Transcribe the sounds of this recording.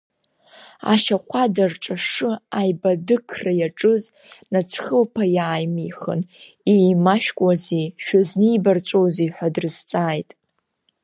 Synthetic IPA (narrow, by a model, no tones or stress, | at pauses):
a̰ʃaqʷʰadarʈ͡ʂʼaʂɨajbadɨkʰrajaʈ͡ʂʼɨz | nat͡sʰχəlpʰajaːjmijχə̰n | ejmaʃᶣkʷʼazeʃᶣazniːbart͡ʃʷʼowziħʷᶣadrɨzt͡sʼaːjtʼ